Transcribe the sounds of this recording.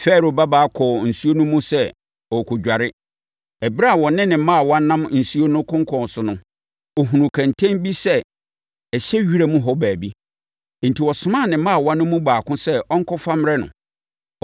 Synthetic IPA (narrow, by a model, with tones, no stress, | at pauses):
fɛ˦˨ɾo˨ba˦baː˦kʰɔ˨n̩˨su˦o˦nũ˦mũ˦sɛ˦ | ɔ˨kʰʊ˨d͡ʑᶣa˨ɾɪ˦ | ɛ˨bɾa˦˨wɔ̃˨nɪ̃˦nɪ̃˨˦mã˦a˨wɔ̃˦nã˦mn̩˨su˦o˦nʊ̃˦kʰʊ̃˦ŋ˦kʰɔ̃˨n˨sʊ˨nʊ̃˦ | ɔ˨ɦũ˨nũ˨kʰã˨ntʰɛ̃˦nbi˦sɛ˦ | ɛ˨ɕɛ˦ɥi˦ɾa˦mũ˦ɦɔ˦bæː˨bi˦ | n̩˨ti˨wɔ˨sʊ˨mã˦˨nɪ̃˨mã˦a˨wɔ̃˦nːʊ̃˦mũ˦baː˨kʊ̃˦sɛ˦ɔ̃˦ŋ̩˦kʰɔ˦fa˦m˦ɾɛ˦nʊ̰̃˨